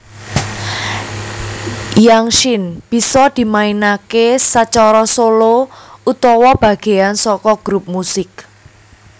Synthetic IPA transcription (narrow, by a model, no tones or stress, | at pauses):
jaŋʃɪnb̥i̤sɔd̪̥i̤mainakesat͡ʃɔɾɔsolout̪ɔwɔb̥a̤ɡ̥e̤ansɔkɔɡ̥ɾup̚musɪk̚